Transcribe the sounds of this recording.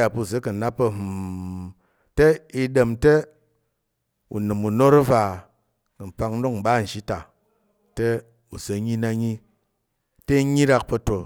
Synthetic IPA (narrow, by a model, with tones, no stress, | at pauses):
a˨pu˧˨ze˨˦kɨ˨na˦pːɐ˧m˨ | te˦i˧de˧mte˦ | ṵ˨nɨ˨mu˨no˦ɾu˦va˨ | kɨ˨m̩˨pa˧k̩˦do˦km̩˨ɓa˦˨n̩˨ʃi˦ta˨ | te˦ | u˨zə˨˦ɲi˦na˧ɲi˦ | te˦ɲi˦ɾa˧k̚pɐ˧to˨